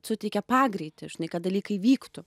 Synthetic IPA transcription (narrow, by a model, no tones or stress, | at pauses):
sʊt̪ʲɛɪkʲɛpɑːɡɾʲɛɪt̪ʲɪʒʲɪnɐɪkɐt̪̚d̪ɐlʲiːkɐɪʋʲiːkt̪ʊ